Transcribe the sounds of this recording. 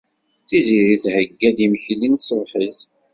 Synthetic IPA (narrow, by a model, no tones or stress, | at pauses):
θiziɾiθhəɡːæd̪imçlint̪səðˤħiθ